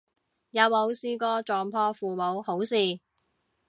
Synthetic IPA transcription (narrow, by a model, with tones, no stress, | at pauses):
jɐ˨˧˥wmo˨˧wsiː˥kɔː˥t͡ʃɔː˨ŋpʰɔː˥fuː˨˩mo˨˧who˨˥wsiː˨˩